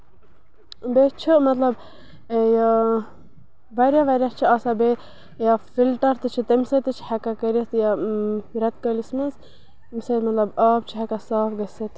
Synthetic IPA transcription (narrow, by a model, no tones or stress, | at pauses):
bet͡ʃʰimɐt̪lɐb | ja | ʋɐɾjaʋɐɾʲjat͡ʃʰiaːsabe | jafilʈɐɾt̪ɨt͡ʃʰit̪ɐmsɐt̪ɨt͡ʃʰi̥hɐkakɐɾit̪jaɾɐt̪̚kɐlismɐz | mset̪mɐt̪lɐbaːbt͡ʃʰiɦɐkasaːfɡɐsɐt̪